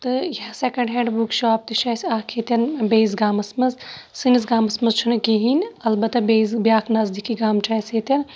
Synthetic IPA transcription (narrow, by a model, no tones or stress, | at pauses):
t̪ɨjɐsekɐɳɖɦẽːɳɖbukʃaːp̚t̪iʃɐjsaːkʰet̪ɐnbeːjzɡaːmɐsmɐzsɨnizɡaːmɐsmɐzt͡ʃʰunkeɦinʲɐlbɐt̪ːɐbezbijaːkʰnɐzd̪ikiɡaːmt͡ʃʰɐset̪ɐn